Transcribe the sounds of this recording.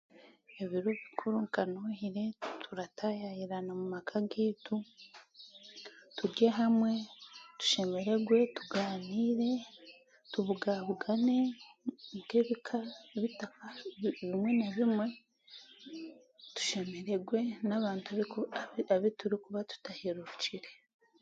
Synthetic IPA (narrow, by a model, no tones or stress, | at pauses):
e̞βiɾoβikʰuɾuŋkanohiɾe̞tʰuɾatʰajajiɾanamumakʰaɡeːtu | tuɾɟeɦamwe̞tu̥ʃe̞me̞ɾe̞ɡwe̞tuɡaːniːɾe̞ | tuβuɡaβuɡane̞ | ŋkeβikʰaβitakaβimwe̞naβimwe̞ | tu̥ʃe̞me̞ɾe̞ɡwe̞naβaːntaβikuaβituɾikuβatu̥taheɾuɾuciɾe̞